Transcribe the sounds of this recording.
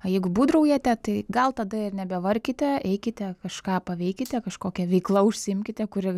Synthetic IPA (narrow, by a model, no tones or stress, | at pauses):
ɐjɛɪɡʊbuːd̪rɐʊjɛt̪ʲɛt̪ɐɪɡɐlˠt̪ɐd̪ɐɪrnʲɛbʲɛʋɐrʲkʲɪt̪ʲɛɛɪkʲɪt̪ʲɛkɐʃkɑːpɐʋʲɛɪkʲɪt̪ʲɛkɐʃkoːkʲɛʋʲɛɪklˠɐʊʃʲsʲɪɪmʲkʲɪt̪ʲɛkʊɾʲɪ